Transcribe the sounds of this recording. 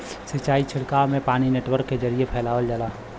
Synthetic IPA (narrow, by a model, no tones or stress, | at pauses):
sɪt͡ʃaːit͡ʃʰɪɽkamẽpaːnineːʈwəɾkːed͡ʒəɾiepʰɛːlaːʋəld͡ʒalaː